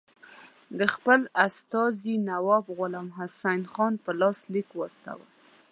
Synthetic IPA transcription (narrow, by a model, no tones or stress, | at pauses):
d̪əxpəlast̪ɑzinawɑbɣʊlɑmɦasanxɑnpəlɑslikwɑst̪a̰wa̰